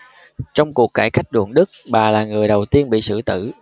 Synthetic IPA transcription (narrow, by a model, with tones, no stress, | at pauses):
t͡ɕɔ˧wŋ͡mku˨˩əkːaː˧˩jxa˦˥jk̟̚ɗṵ˧˩əŋɗɨ˦˥k̚ɓaː˨˩laː˨˩ŋɨ˨˩əjɗə˨˩wt̪i˧ənɓḭ˧˨sɨ̰˧˩t̪ɨ̰˧˩